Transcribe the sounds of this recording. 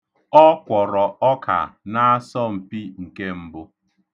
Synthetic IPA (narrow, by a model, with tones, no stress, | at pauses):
ɔ˦kʷɔ˨ɾɔ˨ɔ˦ka̰˨na˦a˦sɔ˦m̩˨pi˦ŋ̩˨ke˦m̩˦bʊ˦